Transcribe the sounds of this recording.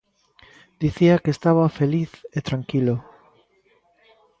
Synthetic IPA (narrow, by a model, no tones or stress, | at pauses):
d̪iθiakeːst̪aβafeliθet̪ɾaŋkilo